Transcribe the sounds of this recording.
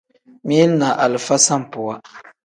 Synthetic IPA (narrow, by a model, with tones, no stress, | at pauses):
mi˦lna˨ʔa˨lɨ˨fa˦sa˦m˨pʊ˨wa˦